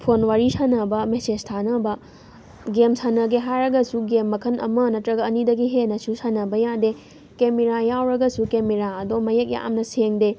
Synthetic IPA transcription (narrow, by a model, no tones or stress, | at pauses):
pʰonwaɾisanɐbɐmesestʰanɐbɐ | ɡemsʰanɐɡeɦajɾɐɡɐsuɡemːɐkʰɐnʔɐ̰mɐnɐtɾɐɡɐːnidɐɡiɦenɐsusanɐbɐjade | kemeɾajawɾɐɡɐsukemeɾaɐdomɐjek̚ja̰ʔa̰mnɐseŋde